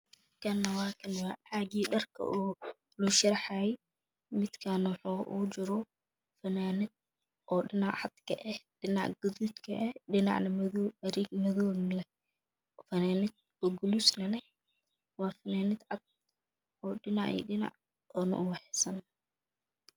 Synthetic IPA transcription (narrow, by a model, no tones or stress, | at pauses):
mmɪd̪kʰɐnːɐwɑːkʰɪnwɑːʕaɡiːɖɐrkʰɐ̰ʔuː | lʊʃɐɾħajɛ | mɪd̪kʰanwħuːʔṵd͡ʒɪɾɔ | fɐnaːnɪd̪̚ | ʔɔːɖɪnɑʕʕɑd̪̥kʰɐʔɛhɖɪnɑʕɡʊðuːd̪kʰɐʔɛɗɪnɑ̰ʕnɐmɐðɐɾiɡmɐðɔːmlɛ | fɐnaːnɪd̪̚ | ɔɡʊlusnɐnɛ | wɑːfɐnaːnɪd̪ʕɑd̪̥̚ | ɔːɗɪnɑʕḭɗɪnɑ̰ʕ | ɔːnɐ̰ʔʊwɑħɛsɐn